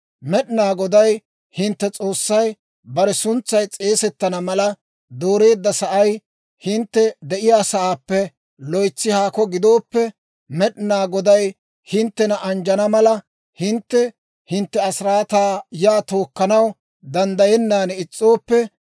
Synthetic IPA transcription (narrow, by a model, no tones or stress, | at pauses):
mɛɗɪnaːɡɔd̪ɐj | hɪnt̪ːɛt͡sʼo̞ːsːɐj | bɐɾɛsʊnt͡sːɐjt͡sʼe̞ːsɛt̪ːɐnɐmɐlɐ | d̪oːɾe̞ːd̪ːɐsɐʔɐj | hɪnt̪ːɛd̪ɛʔɪjaːsɐʔaːpːɛ | lɔjt͡sːɪhaːkɔɡɪd̪o̞ːpːɛ | mɛɗɪnaːɡɔd̪ɐj | hɪnt̪ːɛnɐʔɐnd͡ʒɐnɐmɐlɐ | hɪnt̪ːɛ | hɪnt̪ːɛɐsɪɾaːt̪aːjaːt̪o̞ːkːɐnɐw | d̪ɐnd̪ɐjɛnːaːnɪt͡sʼːo̞ːpːɛ